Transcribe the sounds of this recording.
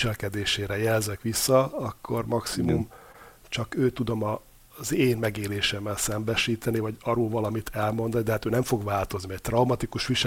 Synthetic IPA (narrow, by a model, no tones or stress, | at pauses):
ʃɛlkɛd̪eːʃeːɾɛjɛlzɛkʋisːɒɒkʰːo̞̰rmɒksimum | t͡ʃɒkøːt̪ud̪o̞mɒ | zeːnmɛɡeːleːʃɛmːɛlsɛmbɛʃiːt̪ɛnivɒɟɒɾoːlvɒlɒmit̪ʰɛlmo̞n̪d̪ɒnid̪ɛɦaːt̪øːnɛɱfo̞ɡʋaːlt̪o̞zniɛc̚t̪rɒumɒt̪ikuʃʋiʃ